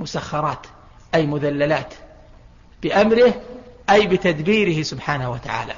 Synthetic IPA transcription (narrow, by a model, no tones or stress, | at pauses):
mʊsaxːɑɾˤɑːt̪ | ʔajmʊðalːalaːt̪ | b̥ɪʔamɾɪhʔajbɪt̪ad̪biːɾɪhɪsʊbħaːnawat̪aʕa̰ːla̰